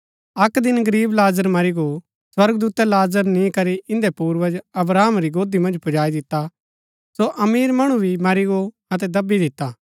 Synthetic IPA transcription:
ɐkd̪ɪnɡɐɾiːblaːzəɾmɐɾiɡo | swɐɾɡd̪uːt̪ɛlaːzəɾnĩkɐɾiʔɪ̃nd̪ɛpuːɾʋəd͡ʒɐbɾaːmɾiɡoːd̪imɐ̃nd͡ʒpʰʊd͡ʒaːid̪ɪt̪ːa | soʔɐmiːɾmɐɽ̃ubʱimɐɾiɡo | ɐt̪̬ɛd̪ɐbid̪ɪt̪ːaː

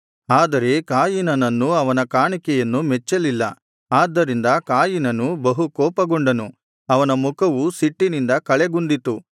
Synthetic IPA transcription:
aːd̪ɐɾe̞kaːjinɐnɐnːuɐʋɐnɐkaːɳikɛjɐnːumɛt͡ʃːɐlilːɐ | aːd̪ːɐɾind̪ɐkaːjinɐnːubɐɦukɔːpɐɡoɳɖɐnu | ɐʋɐnɐmukɐʋusiʈːinind̪ɐkɐɭeɡund̪it̪u

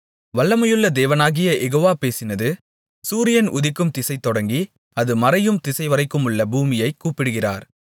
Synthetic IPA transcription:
ʋɐɭːɐmɐjɯɭːɐd̪eːʋɐnaːɣɪjɐʔɛɣoːʋaːpeːsɪnɐðɯ | suːɾɪjɐnʔʊ̰ðɪkːɯmt̪ɪsɐɪt̪ːɔɽɐŋɡi | ɐðɯmɐɾɐjɯmt̪ɪsɐɪʋɐɾɐɪkːɯmɯɭːɐbuːmɪjɐɪkːuːpɪɽɯɣɪra̰ːɾ

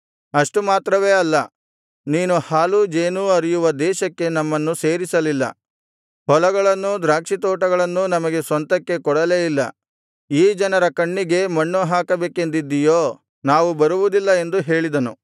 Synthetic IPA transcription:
ɐʂʈumaːt̪ɾɐʋeːɐlːɐ | niːnuhaːlud͡ʒeːnuːɐɾijuʋɐd̪ɛːʃɐkːe̞nɐmːɐnːuse̞ːɾisɐlilːɐ̰ | hɔlɐɡɐɭɐnːud̪ɾaːkʂit̪ɔːʈɐɡɐɭɐnːunɐmɐɡe̞sʋɐnt̪ɐkːe̞kɔɽɐleːjilːɐ̰ | iːd͡ʒɐnɐɾɐkɐɳːiɡe̞mɐɳːuɦaːkɐbeːke̞nd̪id̪ːijoː | naːʋubɐɾuʋud̪ilːɐe̞nd̪uɦe̞ːɭid̪ɐnu

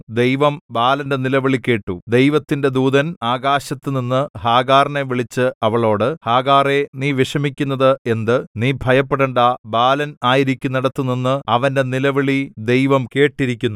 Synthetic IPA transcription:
d̪e̞jʋɐmbaːlɐnde̞nilɐʋiɭike̞ːʈːud̪e̞jʋɐt̪ːinde̞d̪uːðɐnaːɡaːɕɐt̪ːɨninːɨhaːɡaːrne̞ʋiɭit͡ɕːɨɐʋɐɭo̞ːɽɨhaːɣaːre̞niːʋiʂɐmikʲːunːɐðɨe̞nd̪ɨniːbʱɐjɐpːeɽɐɳɖɐbaːlɐnaːjiɾikʲːunːɐɽɐt̪ːuninːɨɐʋɐnde̞nilɐʋiɭid̪e̞jʋɐmke̞ːʈːiɾikʲːunːu

